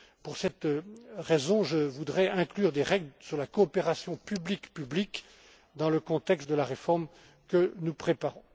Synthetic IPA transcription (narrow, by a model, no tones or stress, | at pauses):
puʁsɛt̪ʁezɔ̃ʒəvud̪ʁɛɛ̃klyʁd̪eʁɛɡlsyʁlakɔːpeʁasjɔ̃pyblikpyblik | d̪ɑ̃ləkɔ̃t̪ɛkst̪̚d̪əlaʁefɔʁm | kənupχepaʁɔ̃